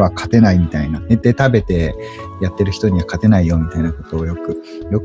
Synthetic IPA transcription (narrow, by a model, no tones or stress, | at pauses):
βakʰat̪e̞naimʲit̪ainaned̪e̞t̪abe̞t̪e̞ | jat̪ːe̞ɾɯ̟çi̥t̪o̞ɲ̟iβakat̪e̞naijo̞ːmʲit̪ainako̞t̪o̞ːjo̞kɯ̟ | jo̞k